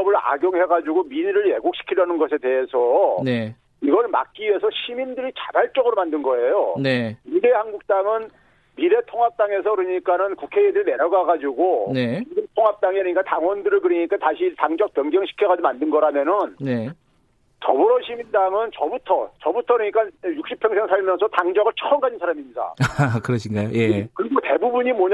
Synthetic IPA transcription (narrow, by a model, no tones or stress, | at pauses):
ʌbɯɾa̰ɡjoŋɦe̞ɡad͡ʑuɡomiɾɾɯɭje̞ɡokɕʰi̥kʰiɾjʌnɯnɡʌs̬ʰe̞te̞ɦe̞sʰʌe | iɡʌɭma̰k̚k͈iesʰʌɕʰimindɯɾit͡ɕabaɭt͡ɕ͈ʌɡɯɾomandɯnɡʌe̞joeiɾehanɡuk̚t͈aŋɯn | miɾe̞tʰoŋɦap̚t͈aŋe̞sʰʌkɯɾɯɲik͈anɯnkukʰe̞idɯɾine̞ɾʌɡaɡad͡ʑuɡoneiɾetʰoŋɦap̚t͈aŋiɾɯɲik͈ataŋwʌndɯɾɯɭkɯɾiɲik͈ataɕʰitaŋd͡ʑʌk̚p͈jʌŋɡjʌŋɕʰi̥kʰjeɡadomandɯnɡʌɾamjʌnɯnne | tʌ̰buɾʌɕʰimindaŋɯnt͡ɕʌbutʰʌt͡ɕʌbutʰʌɾɯɲik͈ajuk̚ɕ͈ipʰeŋsʰeŋsʰaɭmjʌnsʰʌtaŋd͡ʑʌɡɯɭt͡ɕʰʌʌmɡad͡ʑinsʰaɾamiɲida̰akɯɾʌɕʰiŋɡajojekɯɾiɡote̞bubuɲimwʌɲ